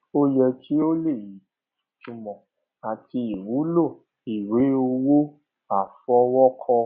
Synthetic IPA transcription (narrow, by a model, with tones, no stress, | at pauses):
o˦jɛ˧kʰi˦o˦le˦˨ji˨˦˨ | ʃũ˧mɔ̃˨ | a˨ti˧i˨wu˨˦lo˦˨ | i˨we˨˦o˧wo˦ | a˨fɔ˧˦˧wɔ˦kʰɔ˧